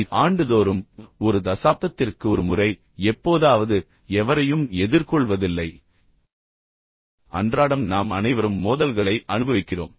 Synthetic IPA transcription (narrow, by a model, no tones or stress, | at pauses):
aːɳɖɯðoːɾɯmɔɾɯd̪ɐsaːp̚t̪ɐt̪ːɪrkɯɔɾɯmʊrɐɪ | ɛpːoːðaːʋɐðɯ | ɛʋɐɾɐjɯmɛðɪɾkɔɭʋɐðɪlːɐɪ | ɐ̰ndraːɽɐmnaːmɐnɐɪʋɐɾɯmːoːðɐlɣɐɭɐɪʔɐnɯbɐʋɪkːɪro̰ːm